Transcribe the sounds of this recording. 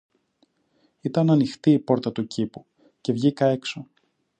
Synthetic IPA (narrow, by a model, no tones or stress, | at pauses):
it̪ɐnɐnixt̪iːpo̞ɾt̪ɐt̪ucipu | ce̞vʝikɐe̞kso̞